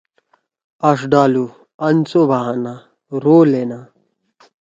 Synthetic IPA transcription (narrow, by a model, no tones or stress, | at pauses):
ɐʂɖaːlu | ɐnt͡sobʱaɦana | ɾoːlena